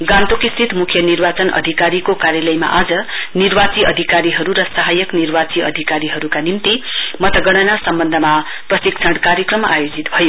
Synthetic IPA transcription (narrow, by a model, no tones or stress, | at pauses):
ɡãnt̪okist̪ʰit̪mukʰjʌnirbat͡sʌnʌ̰d̪ʱikaɾikokaɾjʌlʌjma̰ʔad͡zʌnirbat͡siʌd̪ʱikaɾiɦʌɾuɾʌsaɦajʌknirbat͡siʌ̰d̪ʱikaɾiɦʌɾukanimt̪imʌt̪ʌɡʌɽ̃ʌnasʌmbʌnd̪ʱʌma | prʌsiksʰʌɽkaɾjʌkrʌmajod͡zit̪bʱʌjo